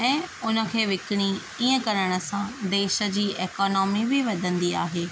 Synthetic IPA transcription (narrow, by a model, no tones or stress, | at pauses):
ɛ̃ːʊnə̆kʰeːʋɪkɪɽ̃i | iːə̃kɐɾəɽ̃ə̆sãd̪eːʃə̆d͡ʑiːʔeːkɔːnɔːmibɪʋɐd̪ʱə̃nd̪iaːɦeː